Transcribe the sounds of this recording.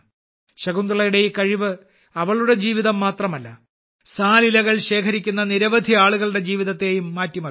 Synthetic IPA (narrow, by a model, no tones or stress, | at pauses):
ɕɐɡund̪ɾɐɭɐjuɽe̞jkɐɻiʋɨ | ɐʋɐɭuɽe̞d͡ʑiːʋiðɐmːaːt̪rɐmɐlːɐ | saːlilɐɣɐɭɕe̞ːkʰɐɾikʲːunːɐniɾɐʋɐd̪ʱiaːɭuɣɐɭɽe̞d͡ʑiːʋiðɐt̪ːe̞ːjumːaːtːimɐ